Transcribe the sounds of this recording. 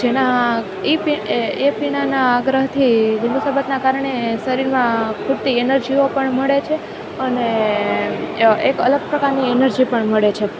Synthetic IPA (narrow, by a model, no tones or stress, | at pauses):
d͡ʒena | epiepiɽ̃anaːɡɾəɦt̪ʰid͡ʒinusəbət̪nakaɾəɳesəɾiɾmãkʰuʈt̪ienəɾd͡ʒiopəɳməɭet͡ʃʰe | əne | ekə̰ləɡ̚pɾəkaɾnienəɾd͡ʒipəɳməɭet͡ʃʰe